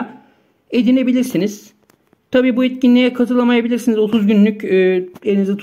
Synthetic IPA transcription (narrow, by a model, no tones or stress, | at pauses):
e̞d̪ine̞bilʲiɾsiniz̥ | t̪ʰabiːbuet̪cinlʲijɛkʰat̪ʰɯlˠamajabilʲiɾsinizot̪ʰuzɟynlʲycyːelʲinizɛt̪ʰ